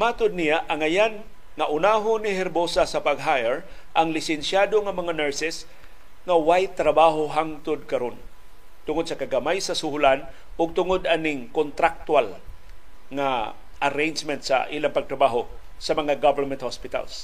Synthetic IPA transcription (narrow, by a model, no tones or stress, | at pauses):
mat̪ʊd̪̚nijaʔɐŋajan | ŋaʔʊnaɦʊnɪhɛɾbosasɐpaɡɦajɛɹ | ʔɐŋlɪsɛnsjaːd̪oŋɐmɐŋanɛɹsɛs | ŋawajt̪ɾabaɦoɦaŋt̪ʊd̪̚kɐɾon | t̪ʊŋod̪̚sɐkaɡamajsɐsʊhʊlan | ʊɡ̚t̪ʊŋod̪ʔanɪŋkont̪ɾak̚t̪wal | ŋa | ʔɐɾejnd͡ʒmɛnt̪sa̰ʔiːlaŋpɐɡ̚t̪ɾabaɦo | sɐmɐŋaɡavəɹmɛnt̪̚hospɪt̪a̰ls